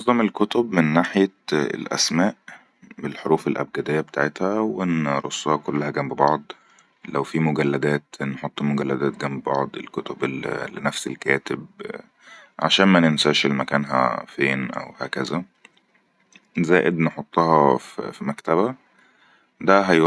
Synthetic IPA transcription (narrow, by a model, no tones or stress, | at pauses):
d̪ˤɑmelkot̪obmenːaːħjæ̰lʔæ̰smæːʔ | belħoɾuːfelʔæ̰b̚ɡæd̪ejːæbet̪aːʕet̪hæwenɾo̰sˤːɑhɑkolːæhæɡæmbbɑʕd̪ˤ | læwfimoɡælːæd̪æːt̪nħot̪ˤːmoɡælːæd̪æːt̪ɡæmbebɑʕd̪ˤḛlkot̪oblːenæfselkæːt̪eb | ʕa̰ʃæːnmænensæʃelmækæːnɦæ̰feːnʔæ̰whæ̰ːkæzæ | zæːʔed̪neħot̪ˤːɑhɑffimækt̪æβæ | d̪æɦæj